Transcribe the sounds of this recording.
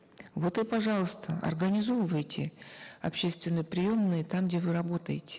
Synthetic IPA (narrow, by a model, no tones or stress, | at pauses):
vo̞t̪ɨpɐʐɑlˠəst̪ʰəɐ̰rɡənʲɪzovəvəjtʲɪɐ̰pɕːe̞st̪vʲɪnːəjpɾʲɪjo̞mnɨjət̪amɡdʲevɨɾɐbo̞t̪əjɪtʲɪ̥